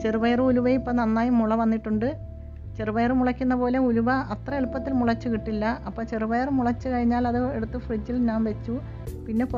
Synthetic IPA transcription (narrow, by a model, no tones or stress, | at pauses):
t͡ɕeruʋɐjɐrɨuluʋɐjipːɐnɐnːaːjumuɭɐʋɐnːiʈːuɳɖɨ | t͡ɕe̞rɨʋɐjɐrɨmuɭɐkʲːunːɐpo̞ːle̞uluʋɐɐt̪rɐeɭpːɐt̪ːilmuɭɐt͡ɕːukiʈːilːɐɐpːoːt͡ɕe̞ruʋɐjɐrmuɭɐt͡ɕːɨkɐɻiɲːaːlɐðɨe̞ɽut̪ːɨfrid͡ʑːilɲaːmʋe̞t͡ɕːu | pinːe̞k